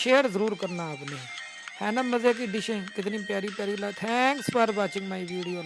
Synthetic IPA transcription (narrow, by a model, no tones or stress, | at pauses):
ʃeːəɾzəɾuːɾkəɾnaːpneː | hɛ̃ːnaməzeːk̬iɖiʃə̃nkɪt̪nĩːpjaːɾiːpjaːɾiːlaːt̪ʰɛ̃ŋkspaɾbaːt͡ʃɪŋɡmaːiʋiːɽijoː